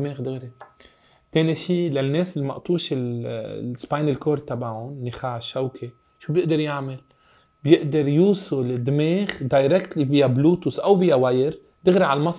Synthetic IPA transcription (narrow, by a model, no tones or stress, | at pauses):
meːɣd̪ɪɣɾi | t̪eːniʃiːlanːeːsɪlːimɑʔt̪ˤuːʃɪl | spajnɪlkoːɾˤt̪abaʕʊnːɪxaːʕɪʃːawkʰe | ʃuːbjɪʔd̪ɑɾjaʕmal | bjɪʔd̪ɑɾˤjuːsˤʊlɪd̪meːɣd̪ajɾɛkt̪livɪjːabluːt̪ʊsʔawvɪjːawajɾ | d̪ɪɣɾiʕalmɑsˤ